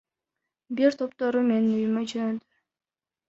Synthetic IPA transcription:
biɾt̪ʰo̞pt̪o̞ɾume̞ninyjymød͡ʒønød̪y

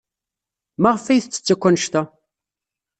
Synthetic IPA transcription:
maʁəfæjθt͡sːə̥t͡sːækʷːænʃt̪æ

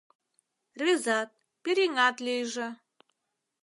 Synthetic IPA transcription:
rezɑt̪̚ | pʲiɾiŋɑt̪lʲejʒɘ̆

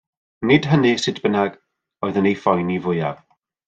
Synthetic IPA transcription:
nɪd̥ɦənisɪdʰb̥ənaɡ̥ | ɔɨðənejfɔjnivʊja̰v̥

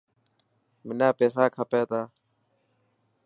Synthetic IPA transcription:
mɪnaːpeːsaːkʰəpeːt̪aː

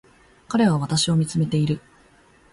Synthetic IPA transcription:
kaɾe̞β̞aβ̞at̪aɕio̞mʲit͡sɨme̞t̪e̞iɾɯ̟

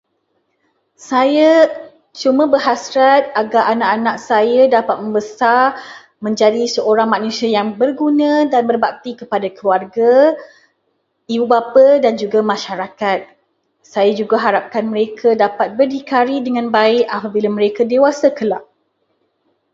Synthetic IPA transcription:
saja | t͡ʃumãbərɦasɾat̪̚aɡaʔanaʔanãk̚sajadapat̪̚mə̃mbəsar | mə̃ɲd͡ʒadisəoɾaŋmãnũsiajaŋbərɡunãdanbərbak̚t̪ikəpadakəluarɡa | ibubapədand͡ʒuɡamãʃaɾakat̪̚ | sajad͡ʒuɡaɦaɾap̚kanməɾekʰadapat̪̚bərdikaɾidəŋãnbaɪʔapabilamə̃ɾekadewasakəlaʔ

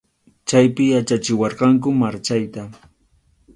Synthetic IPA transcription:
t͡ʃajpɪjat͡ʃat͡ʃɪwɑɾqɑŋk̬ʊmaɾt͡ʃajt̪a

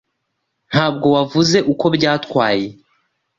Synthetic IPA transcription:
n̥haːb̚ɡo̞wavuze̞ʔuko̞bɟaːtkwaːje̞

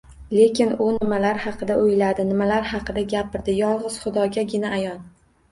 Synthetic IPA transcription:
le̞kʲʰɪnʊnɪmalaɾhɑqʰɨd̪aʔojlad̪ɪnɪmalaɾhɑqɨd̪aɡʲapɪɾd̪ɪjɒlˠʁɨz̥χʊd̪ɒɡʲaɡʲɪnaːjɒn

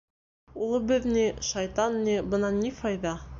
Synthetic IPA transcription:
ulˠɤ̆bɘðniʃɑjt̪ɑnːibɤnɑnʲifɑjðɑ

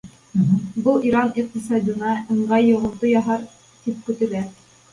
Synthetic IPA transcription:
bɤlˠiɾɑniq̚t̪isɑd̪ʲɤ̆nɑʔɤ̆ɴɢɑjːŏʁɤ̆lˠt̪ɤjɑɦɑɾ | t̪ip̚kɵ̆t̪ɘ̆læ

